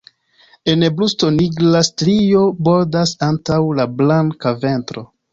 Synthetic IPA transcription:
e̞neblusto̞niɡlastɾio̞bo̞ɾdasantawlablaŋkave̞ntɾo̞

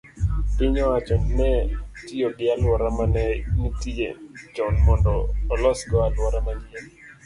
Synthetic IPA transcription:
pɪɲɔat͡ʃɔnnɛtijoɡɪalwɔɾamanɛnitiḛd͡ʒɔnmɔndɔːlɔsɡɔalwɔɾamaɲɪɛl

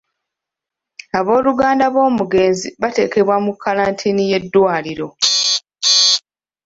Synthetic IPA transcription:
aβo̞ːluɡaːndaβo̞ːmuɡe̞ːnziβate̞ːke̞βwamukʰːalaːntʰiːnije̞dːwaːliɾo̞

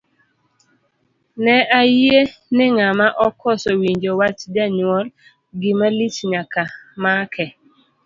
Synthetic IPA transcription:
nɛʔajenɪŋamaʔɔkʰɔsɔwiɲd͡ʒowat͡ʃd͡ʒaɲwɔl | ɡɪmalit͡ʃɲakamakʰɛ

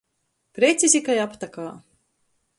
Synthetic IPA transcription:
pɾʲet̪sʲizʲikajapt̪akaː

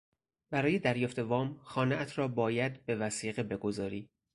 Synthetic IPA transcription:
bæɾɒːjed̪æɾjɒːft̪ʰe̞vɒːmxɒːneʔæt̪ʰɾɒːbɒːjæd̪be̞væsiːɣebe̞ɡo̞zɒːɾiː

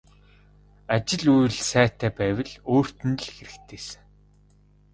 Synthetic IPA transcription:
at͡ɕɪ̆ɮujɮsæːt̪æːpæːwʲɘ̆ɮoːr̥t̪ɘ̆n̆ɮxeɾɘ̆kt̪ʰeːsɘ̥̆ŋ

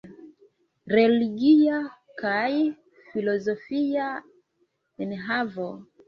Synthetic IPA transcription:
ɾɛliɡia | kai | filɔzɔfia | ɛnɦavɔ

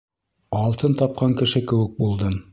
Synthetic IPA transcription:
ɑlˠt̪ɤnt̪ɑp̚qɑŋkɘ̆ʃɘkɘ̆wɘ̆k̚bulˠd̪ɤm

